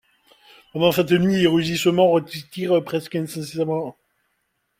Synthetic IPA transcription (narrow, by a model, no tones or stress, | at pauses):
pɑ̃d̪ɑ̃sɛt̪ənɥieʁyʒisəmɑ̃ʁət̪t̪iʁpχɛskɛ̃sɛ̃sɛʁmɑ̃